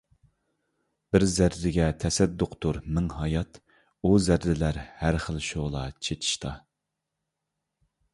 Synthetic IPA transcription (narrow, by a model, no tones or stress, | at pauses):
b̥ɪɾzæɾːɪɡʲɛt̪ʰɛsɛd̪ːoqt̪ʊɾmɪŋhɑjɑt̪ | uzæɾːɪlæɾhæɾχəlˠʃoʁlˠɑt͡ʃʰet̪ʰi̥ʃt̪ʰɑ